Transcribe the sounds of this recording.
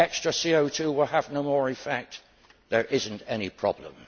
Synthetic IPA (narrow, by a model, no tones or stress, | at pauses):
ɛkstɹ̥əsioʊtʰʉwɪlˠəvnoʊmɔɹɪfɛk̚t̪ | ðə˞ʔɪzɨ̃n̩tɛñipʰɹ̥ɑ̰blə̰̃m